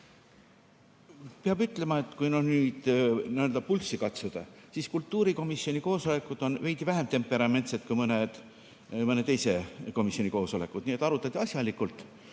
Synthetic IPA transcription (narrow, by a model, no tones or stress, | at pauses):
peɑbyt̪ːˑle̞mɑe̞t̪ːˑkujnonyːd̪̥niøld̪ɑpulsikɑt̪sud̪̥ɑsiskult̪ːˑuːɾiko̞misːio̞nʲiko̞ːso̞le̞kːˑud̪̥o̞nve̞jt̪ivæɦe̞mt̪e̞mpːe̞ɾɑme̞nt̪set̪kujmɤned̪̥ | mɤnet̪e̞jse̞ko̞misio̞nʲiko̞ːso̞le̞kːˑud̪̥niet̪ːˑɑɾut̪ːˑɑt̪ʲːiɑsjɑlikːˑult̪ˑ